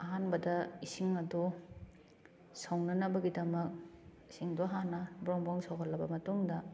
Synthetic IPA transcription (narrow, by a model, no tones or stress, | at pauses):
ɐɦanbɐdɐisiŋɐdu | sawnɐnɐbɐɡidɐmɐk̚isiŋduɦanːɐbɾɔŋbɔŋsawkɐlːɐbɐmɐtuŋdɐ